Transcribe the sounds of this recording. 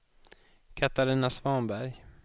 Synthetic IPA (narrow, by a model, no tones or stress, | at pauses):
kʰat̪aɾɪːnasvɑːnbæɾj